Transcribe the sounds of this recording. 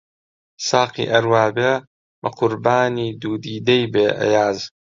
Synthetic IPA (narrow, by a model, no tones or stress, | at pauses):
saːqḭːʔɐɾwaːbeː | bɐqʰʊɾbaːniːd̪uːd̪iːd̪ɐjbeːʔɐ̰jaːz